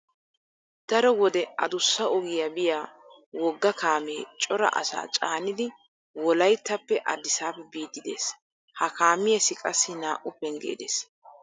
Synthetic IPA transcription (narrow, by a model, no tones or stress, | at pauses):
d̪̥ɐɾɔwɔd̪ɛʔɐ̰d̪ʊsːɐɔɡɪjabɪjaː | wɔɡːɐkaːmeːt͡ʃʼɔɾɐ̰ʔɐ̰sa̰ːt͡ʃʼaːnɪd̪ɪ | wɔlɐjt̪ːɐpːɛʔɐd̪ɪsaːpːɛbiːd̪ːɪd̪e̞̰ːs | hɐkaːmɪjɛsɪkʼɐsːɪnaːʔʊpːɛŋɡḛːd̪ḛːs